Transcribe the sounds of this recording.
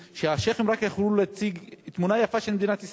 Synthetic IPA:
ʃeaʃeχemʁakjaχluleat͡siɡt̪munajafaʃelmed̪inat̪is

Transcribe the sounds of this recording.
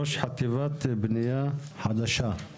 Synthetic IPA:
oʃħat̪ivat̪bnijaħad̪aʃa

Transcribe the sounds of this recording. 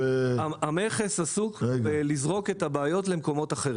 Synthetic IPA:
ameχesasukvelizʁo̞ke̞tabaːjo̞tle̞mko̞mo̞taχeʁi

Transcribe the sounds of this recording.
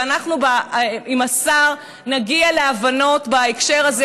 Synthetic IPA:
anaχnubaimasaʁ | naɡialeavano̞tbaekʃe̞ʁaz

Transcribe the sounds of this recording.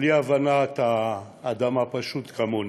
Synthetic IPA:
liavanat̪aː | d̪amapaʃut̪kamon

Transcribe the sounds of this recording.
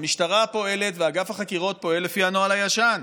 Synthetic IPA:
miʃtaʁapo̞e̞le̞tveaɡafhaχakiʁo̞t̚po̞elːefianoalajaʃan

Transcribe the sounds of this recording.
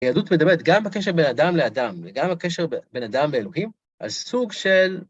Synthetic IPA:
jedut̪med̪abeet̪̚ɡambekeʃ̬ebe̞nad̪amlead̪amleɡamakeʃeʁebe̞nad̪amleelo̞ɦim | ʔa̰lsuɡʃe̞l

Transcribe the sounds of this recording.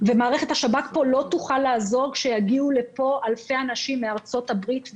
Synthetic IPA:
vemaːʁe̞χe̞thaʃabatpo̞lo̞tuχalːaːzo̞ʁkʃejaɡiule̞po̞alfe̞anaʃimːeaʁt͡so̞tabʁit̪

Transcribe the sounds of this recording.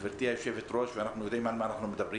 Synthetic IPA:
veɾt̪iajoʃevet̪ɾoʃveanaχnujod̪eimalmaanaχnumed̪abʁi

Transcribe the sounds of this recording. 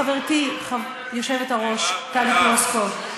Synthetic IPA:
aveʁt̪iχa | joʃevetaʁo̞ʃtalikloskov

